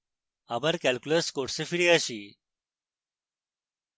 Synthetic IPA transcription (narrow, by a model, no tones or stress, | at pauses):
abəɾkɛlkuləskoʈsefiɽiəɕiː